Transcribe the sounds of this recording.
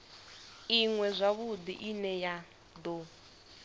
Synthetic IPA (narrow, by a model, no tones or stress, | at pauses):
iŋwɛzʷaβud̪ḭʔinɛja | d̪o